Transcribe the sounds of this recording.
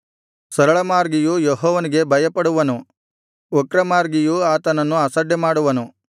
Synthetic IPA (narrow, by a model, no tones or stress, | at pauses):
sɐɾɐɭɐmaːɾɡijujoɦɔːʋɐniɡe̞bʱɐjɐpɐɽuʋɐnu | okɾɐmaːɾɡijuaːt̪ɐnɐnːuɐsɐɖjɐmaːɽuʋɐnu